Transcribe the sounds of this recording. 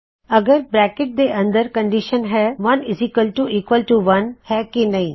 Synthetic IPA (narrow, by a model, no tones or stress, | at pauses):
əɡəɾbɾɛːkɪʈ̚d̪eːʔə̃nd̪əɾkəɳɖiʃənɦɛːʋɐnɪziːkəlʈuʔiːkʋəlʈuʋɐnhɛːkɪnəĩː